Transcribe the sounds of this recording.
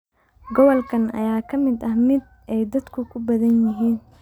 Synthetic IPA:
ɡɔβɔlkʰɐnɐ̰jaːkʰɐmɪd̪ɐhmɪd̪̚ | ʔɛjd̪ɐd̪kʰʊkʰʊbɐðɐnjɪɦiːn

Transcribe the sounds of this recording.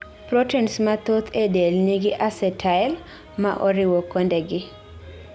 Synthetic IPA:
pɾotɛnsmat̪ot̪ʰedelniɡɪʔasɛtʰaɪl | maʔoɾɪwokːondɛɡɪ

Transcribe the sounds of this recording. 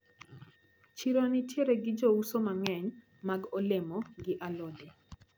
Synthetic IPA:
t͡ʃiɾonɪtjeɾɛɡɪd͡ʒousomaŋɛɲ | maɡolemɔɡɪʔalode

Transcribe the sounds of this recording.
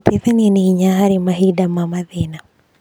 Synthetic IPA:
t̪iθɛnɛniiɲaɦaɾimaɦidamamaðina

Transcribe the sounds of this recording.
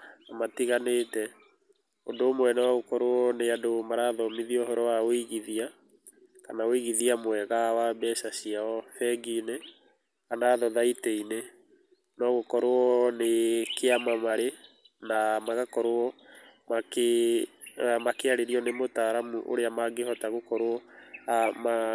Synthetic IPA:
namatiɣaneːtɛ | ondoːmwɛnɛwaɣokɔɾoɔneadomaɾaðɔmiðiɔɦɔɾɔwaoiɣiðia | kanaoiɣiðiamwɛɣawabɛsasiaɔfɛɡine | kanaːðɔðaitɛine | nɔɣokɔɾoɔnekeamamaɾe | namaɣakɔɾoɔmake | amakeaɾeɾiɔnemotaɾamuʔo̰ɾeamaɡehɔtaɣokɔɾoɔama

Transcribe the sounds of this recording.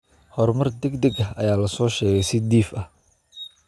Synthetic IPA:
hɔrmɐrd̪ɛɡd̪ɛɡɐɐ̰jaːlɐsɔːʃɛːɣɛjsɪd̪iːfɐh

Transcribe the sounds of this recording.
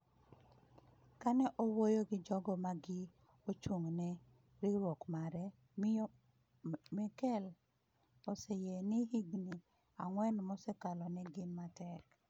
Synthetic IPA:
kanɛʔowojoɡɪd͡ʒɔɡɔmaɡɪ | ot͡ʃuŋnɛ | ɾiɾwokmaɾɛ | m | mɛkɛl | osɛjenɪhiɡni | aŋwɛnmɔsɛkalɔnɛɡɪnmatɛk

